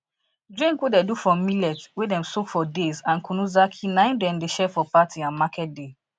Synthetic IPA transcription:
dɹĩŋkwedɛdufɔmilɛtwedɛ̃msokfɔdezãnkunuzakʰinãɪ̃ndɛ̃mdeʃɛfɔpatʰiãnmakʰɛt̚de

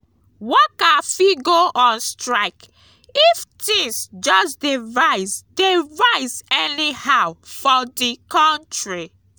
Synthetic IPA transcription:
wɔkafiɡoʔɔ̃nstɹaɪk | iftĩŋsd͡ʒɔsdivaɪsdevaɪsɛnihawfɔdikɔ̃ntɹi

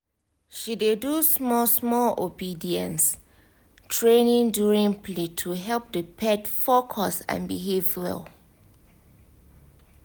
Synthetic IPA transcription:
ʃidedusmɔsmɔlobidiə̃ns | tʰɹẽnĩŋduɹĩŋpʰletʰuɦɛlˠp̚dəpʰɛtfokʰɔsã̰nbiɦevə̰l

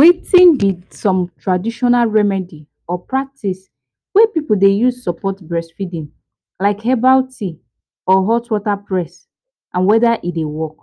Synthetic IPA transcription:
wetʰĩndidsɔ̃mtɹadiʃɔnalɹɛmɛdi | ɔpɹak̚tʰis | wɛpipoldejusɔpɔtbɹɛsfidĩn | laɪkhɛbawtʰi | ɔɦɔtwɔtapɹɛs | ʔãnwɛdaʔidewɔk

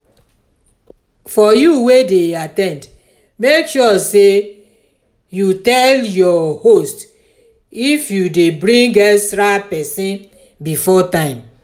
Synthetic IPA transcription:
fɔjuwedeatɛ̃nd | mekʃɔse | jutɛljɔhost | ifjudebɹĩŋɡɛsɾapɛsĩn | bifɔtãɪ̃m

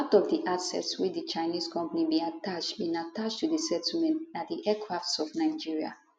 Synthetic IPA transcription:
atɔvdiʔasɛ̰tswidit͡ʃaɪniskʰɔ̃mpanibĩatat͡ʃtbĩnatat͡ʃtudisɛtl̩mɛ̃ntat̚diʔɛkʰɹaftsɔfnaɪd͡ʒiɹia̰

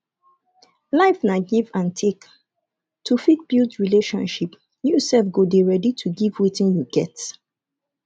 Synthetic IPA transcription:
laɪfnaɡivãntʰek | tʰufit̚b̥iltɹileʃɔ̰̃nʃip | jusɛfɡodeɹɛditʰuɡivwitĩnjuɡɛt

